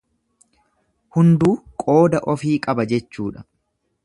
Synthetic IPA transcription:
hʊnd̪uːkʼo̞ːd̪ɐʔɔfiːkʼɐbɐd͡ʒɛt͡ʃːuːᶑɐ̥

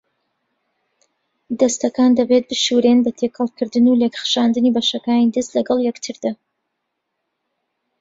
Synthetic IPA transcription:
d̪ɐst̪ɐkaːnd̪ɐbet̪̚bɨʃuɾenbɐt̪ʰekʰɐlˠkʰɨɾd̪ɨnulekχʃaːnd̪ɨnibɐʃɐkaːnid̪ɨst̪lɐɡɐlˠjɛkt̪ʰɨɾd̪a

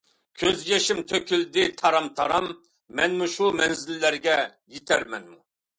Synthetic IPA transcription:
kʲʰøzjɛʃimt̪ʰøkʲʰyld̪ɪt̪ʰɑɾɑmt̪ʰɑ̰ɾɑmː | ɛnmuʃumɛnzɪlːæɾɡʲɛ | jet̪ʰæɾmɛ̰nmu

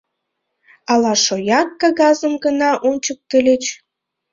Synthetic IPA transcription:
ɑlɑʃojɑk̚ːɑɣɑzə̆mɡənɑʔonʲt͡ɕək̚t̪ə̆lʲet͡ɕ

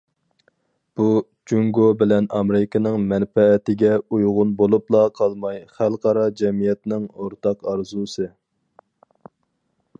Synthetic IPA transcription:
b̥u | d͡ʒuŋɡobɪlɛnɑmɪɾɪkʰɑnɨŋmɛnfɛːt̪ɪɡʲɛujʁʊnbolˠuplˠɑqʰɑlˠmɑjχælˠqɑɾɑd͡ʒɛmijɛt̪nɪŋoɾt̪ʰɑqɑɾzusɨ

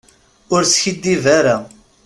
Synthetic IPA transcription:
ʊɾsçid̪ːivaɾa

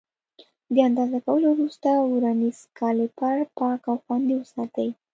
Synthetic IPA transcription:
d̪əand̪ɑzakawəlowɾust̪awɾaniz̥kʰɑlepaɾpɑkawxwand̪ewəsɑt̪əj

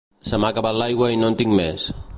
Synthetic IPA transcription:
samakabalajwajnontiŋmes

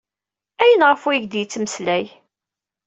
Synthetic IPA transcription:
æjənʁəfwiʝd̪jət͡sːməslæj

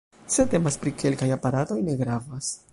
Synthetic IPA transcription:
se̞te̞maspɾikʰe̞lkajapaɾato̞jne̞ɡɾavas

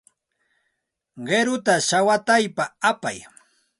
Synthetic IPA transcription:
ɢeɾʊt̪aʃawat̪ajpaapaj

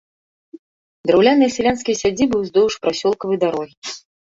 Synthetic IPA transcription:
d̪ɾawlʲanɨjɐsʲɛlʲanskʲijsʲad͡zʲibɨwzd̪ɔwuʂpɾasʲɔlˠkɐvɨjd̪aɾɔɣʲi

